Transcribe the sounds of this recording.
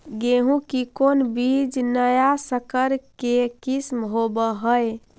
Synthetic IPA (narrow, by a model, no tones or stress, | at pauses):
ɡeɦũkikonbid͡ʒnəjasəkəɾkekismɦobəɦəj